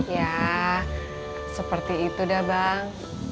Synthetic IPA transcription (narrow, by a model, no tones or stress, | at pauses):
ja | səpərt̪iːt̪udahbaŋ